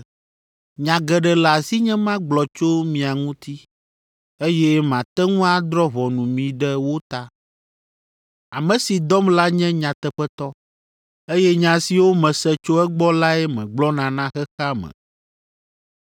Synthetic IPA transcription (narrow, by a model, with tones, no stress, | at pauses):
ɲã˨ɡɛ˨ɖɛ˨la˨si˦ɲɛ̃˦mã˦ɡ͡blɔ˨t͡ʃo˦mĩ˨a˨ŋũ˦t̪i˦ | e˦jɛ˦mã˨t̪ɛ˦ŋũ˦a˦d̪ɾɔ˦βɔ˨nũ˨mĩ˨ɖɛ˦wo˦t̪a˦ | a˨mɛ̃˨si˨d̪ɔ˦mla˦ɲɛ̃˦ɲã˨t̪ɛ˦ɸɛ˦t̪ɔ˦ | e˦jɛ˦ɲã˨si˨wo˦mɛ̃˨sɛ˦t͡ʃo˦ɛ˦ɡ͡bɔ˦la˦ɛ˦mɛ̰̃˨ɡ͡blɔ˦nã˨nã˦xɛ˦xa˦mɛ̰̃˨